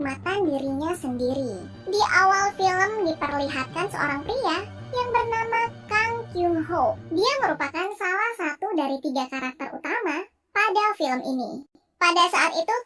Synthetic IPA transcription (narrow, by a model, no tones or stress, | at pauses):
mat̪andiɾiɲasəndiɾi | diʔawalfiləmdipərliɦat̪̚kansə̰o̰ɾaŋpɾiajaŋbərnamakaŋkjuŋɦodiaməɾupakansalahsat̪udaɾit̪iɡakaɾak̚t̪ərṵt̪ama | padafiləmḭnḭ | padasaat̪it̪u